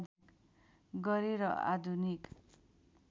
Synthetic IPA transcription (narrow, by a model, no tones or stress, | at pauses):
k | ɡʌɾiɾʌa̰d̪ʱunik